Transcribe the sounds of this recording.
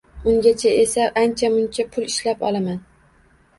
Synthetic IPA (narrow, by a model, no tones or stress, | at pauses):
ʊŋɡʲat͡ʃʰae̞saʔant͡ʃʰamʊnt͡ʃʰapʰʊlɪʃlapɒ̰lˠaman